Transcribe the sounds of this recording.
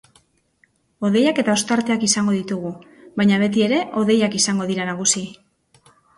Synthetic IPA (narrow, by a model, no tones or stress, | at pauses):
o̞ð̞e̞jake̞t̪ao̞st̪aɾt̪e̞akisaŋɡoðit̪uɣu | βajɲaβ̞e̞t̪̬ie̞ɾe̞ʔo̞ðe̞jakisaŋɡo̞ð̞iɾanaɣ̞usi